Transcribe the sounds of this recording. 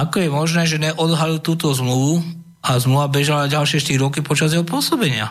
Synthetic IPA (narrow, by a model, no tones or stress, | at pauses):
akɔjɛmɔʒnɛːʒɛɲɛʔɔd̪ɦalilt̪uːt̪ɔzmluʋu | azmluʋabɛʒalaɟalʃɪɛʃt̪iɾiɔkipɔt͡ʃazjɛɦɔpʊɔsɔbɛɲɪa̰